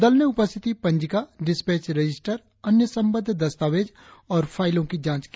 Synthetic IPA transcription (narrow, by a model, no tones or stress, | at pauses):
d̪əlnẽʊpəst̪ʰɪt̪ipə̃ɲd͡ʒɪkaɖɪspeːt͡ʃɾəd͡ʒɪsʈəɾ | ənjəsə̃mbəd̪ʱd̪ɐst̪aːʋeːd͡ʒ | ɔːɾpʰaːɪlõkid͡ʒãːt͡ʃk